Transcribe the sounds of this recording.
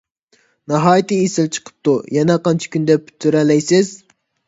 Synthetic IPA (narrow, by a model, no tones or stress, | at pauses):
nɑɦɑːjit̪ɨesɪlt͡ʃʰə̥qʰə̥p̚t̪ʰujɛnɛqɑnt͡ʃʰi̥kʲynd̪ɛp̚ːʰy̥t̪ʰːyɾɛlɛjsɪz